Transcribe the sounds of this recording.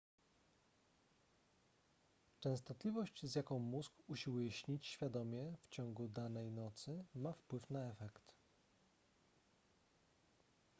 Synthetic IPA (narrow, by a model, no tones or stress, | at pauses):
t͡ʂɛ̃w̃st̪ɔt̪lʲivɔɕt͡ɕzʲjakɔ̃w̃muzɡuɕiwujɛɕɲit͡ɕɕfʲjad̪ɔmʲjɛft͡ɕɔŋɡud̪anɛjnɔt̪sɘmafpwɘfnaɛfɛkt̪